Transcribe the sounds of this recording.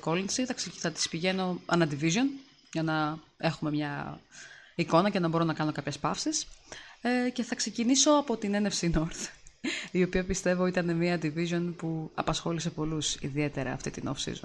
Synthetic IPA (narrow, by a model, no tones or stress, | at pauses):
ko̞linsiθɐkseθɐt̪i̥spiʝe̞no̞ɐ̰nɐd̪ivizo̞n | ʝɐnɐe̞xume̞mɲɐ | iko̞nɐce̞nɐbo̞ɾo̞nɐkɐno̞kɐpçespɐfsis | ce̞θɐkse̞ciniso̞ɐpo̞t̪ine̞ne̞fsino̞ɾθ | io̞piɐpist̪e̞vo̞it̪ɐne̞miɐd̪ivizo̞npuɐ̰pɐsxo̞lise̞po̞lusḭðie̞t̪e̞ɾɐ̰ːft̪it̪ino̰fsḭzon